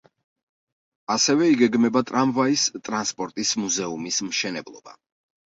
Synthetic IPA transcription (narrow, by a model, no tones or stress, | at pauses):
asɛvɛiɡɛɡmɛbat̪ʼɾamvaist̪ʼɾanspʼɔɾt̪ʼismuzɛumismʃɛnɛblˠɔ̰ba